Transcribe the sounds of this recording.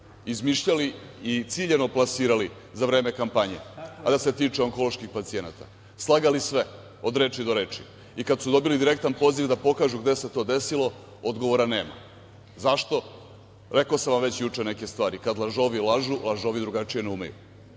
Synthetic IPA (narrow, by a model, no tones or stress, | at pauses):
izmiʃʎaliːt̪siʎeno̞plˠasiːɾali | zaʋɾe̞ːme̞kampaɲḛad̪ase̞t̪iːt͡ʂeo̞ŋko̞loʃkixpat̪sie̞na̰t̪a̰ | slˠaɡalisʋe | o̞d̪ɾeːt͡ʃid̪o̞ɾeːt͡ʂi | ikad̪sud̪o̞bilid̪iɾe̞kt̪anpo̞ziʋvd̪apo̞kaːʒuɡd̪e̞se̞t̪o̞ːd̪e̞silo̞ | o̞d̪ɡo̞ʋoɾane̞ːma̰ | zaʃt̪o̞ | ɾe̞ko̞samʋamʋe̞t͡ɕjut͡ʂene̞ke̞st̪ʋaːɾikad̪lˠaʒo̞ʋilˠaʒulˠaʒoʋid̪ɾuɡat͡ʂije̞neumḛjṵ